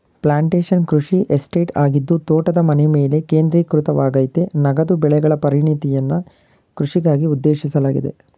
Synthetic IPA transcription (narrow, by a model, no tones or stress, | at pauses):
plaːɳʈeːʂɐnkɾuʂiʔesʈeːʈaːɡid̪ːut̪oːʈɐd̪ɐmɐneme̞ːle̞ke̞ːnd̪ɾiːkɾut̪ɐʋaːɡɐjt̪enɐɡɐd̪ubɛɭɛɡɐɭɐpɐɾiɳit̪ijɐnːɐ | kɾuʂiɡaːɡiud̪ːe̞ːʃisɐlaːɡid̪e̞̰